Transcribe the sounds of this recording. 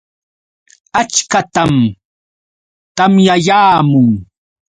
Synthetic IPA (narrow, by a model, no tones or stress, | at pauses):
at͡ʃkat̪am | t̪amjajaːmʊŋ